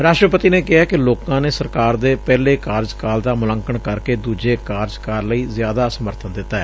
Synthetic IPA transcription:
ɾaːʃʈɾəpət̪iːneːkɪɦaːkɪloːkãːneːsəɾkaːɾd̪eːpɛːleːkaːɾd͡ʒkaːld̪aːmʊlə̃ŋkəɳkəɾkeːd̪uːd͡ʒeːkaːɾd͡ʒkaːɾləiːzjaːd̪aːsəməɾt̪ʰənd̪ɪt̪ːaːɛː

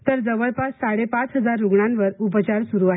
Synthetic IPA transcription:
t̪əɾd͡zəʋəɭpasːaɽepat͡sɦəd͡zaɾːuɡɳãnʋəɾup̬t͡ɕaɾsuɾuaɦe

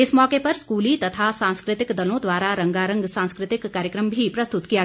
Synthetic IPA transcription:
ɪsmɔːkepɐɾskuːlit̪ɐt̪ʰasãːnskɾɪt̪ɪkd̪ɐlõd̪ʋaːɾaɾɐ̃ŋɡaːɾɐ̃ŋɡsãːnskɾɪt̪ɪkːaːɾjəkɾəmbʱipɾɐst̪ʊt̪kija

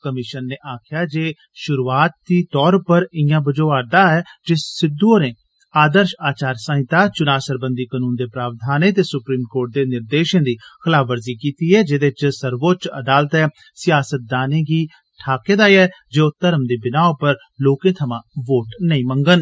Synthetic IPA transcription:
kəmɪʃənːeːʔaːkʰjaːd͡ʒeː | ʃʊɾuaːt̪̚d̪iːt̪ɔːɾpəɾɪjãːbəd͡ʒoːaːɾd̪aːɛːd͡ʒɪsɪd̪ːuoːɾẽː | aːd̪əɾʃaːt͡ʃaːɾsə̃ːɦɪt̪aːt͡ʃʊnaːsəɾbə̃nd̪iːkənuːnd̪eːpɾaːʋd̪ʱaːnẽːt̪eːsʊpɾiːmkoːɾʈ̚d̪eːnɪɾd̪eːʃə̃ːd̪iːkʰəlaːəɾziːkiːt̪iːɛːd͡ʒeːd̪et͡ʃsəɾʋoːt͡ʃə̰d̪aːlət̪ɛː | sɪjaːsət̪̚d̪aːnẽːɡiː | ʈʰaːkeːd̪aːiɛːd͡ʒoːt̪əɾəmd̪eːbɪnaːõːpəɾ | loːkẽːt̪ʰəmãːʋoːʈnəĩːmə̃ŋɡən

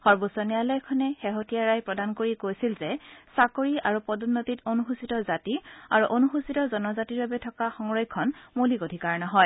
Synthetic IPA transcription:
xɔɹbusɔnijalɔjkʰɔnɛxeɦotijaɹajpɹɔdankoɹikojsilzɛsakoɹiaɹupɔdɔnːotitonuxusitɔzatia̰ɹuʔonuxusitɔzɔnɔzatiɹbabɛtʰɔkaxɔŋɹɔjkʰːɔnmolikodʱikaɹnɔɦɔj

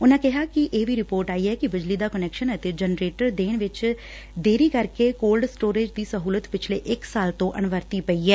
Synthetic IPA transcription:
ʊnãːkɪɦaːkɪʔeːbʱiːɾɪpoːɾʈaːiːɛːkɪbɪd͡ʒliːd̪aːkənɛːkʃənət̪ed͡ʒənɾeːʈəɾd̪eːɳ̃ʋɪt͡ʃ | d̪eːɾiːkəɾkeːkoːlɖsʈoːɾeːd͡ʒd̪iːsəɦuːlət̪pɪt͡ʃʰlḛːʔɪksaːlt̪õːʔənʋəɾt̪iːpəiːɛː

